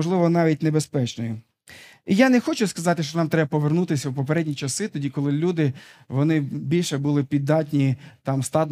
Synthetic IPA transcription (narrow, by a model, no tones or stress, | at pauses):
ɔʒlˠɪʋɔnɑʋʲit̚ʲnebespɛt͡ʃnɔjʊ | ijanɛxɔt͡ʃʊskɐzɑt̪ɪʃt͡ʃɔnɑmt̪ɾɛbɐpɔʋernut̪ɪsʲɐwpɔpeɾɛdʲnʲit͡ʃɐsɪt̪ɔdʲikɔlˠɪlʲud̪ɪʋɔnɪbʲilʲʃɛbulˠɪpʲid̪ːɑtʲnʲit̪ɑmst̪ɑd̪